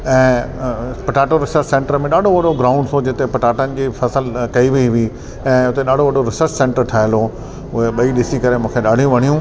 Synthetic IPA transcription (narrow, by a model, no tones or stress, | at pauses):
ɛ̃ː | pɐʈaːʈoɾɪsəɾt͡ɕsẽːɳʈəɾmẽɗaːɖʱoʋɐɗoɡɾaːʊ̃ɳɖsod͡ʑɪt̪epɐʈaːʈənɪ̆d͡ʑiːfʰɐsəlkɐiʋiiʋi | ɛ̃ːʊt̪eɗaːɖ̤ʱoʋɐɖoɾɪsəɾt͡ɕsẽːɳʈəɾʈʰaːɦɪlɦo | ʊɦeɓɐiɗɪsikɐɾemũːkʰeɗaːɽ̤ijũʋɐɽ̤̃ijũ